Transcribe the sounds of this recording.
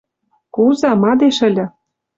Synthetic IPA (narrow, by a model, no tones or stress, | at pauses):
kuzɑmɑd̪eʃə̆lʲɤ̆